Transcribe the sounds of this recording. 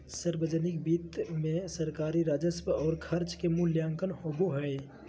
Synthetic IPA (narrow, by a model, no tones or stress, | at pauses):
səɾbəd͡ʒənɪkbiːt̪mẽsəɾkaːɾiɾaːd͡ʒəspɔːɾkʰɐɾt͡ʃkemʊljãːŋkənhoboɦɛj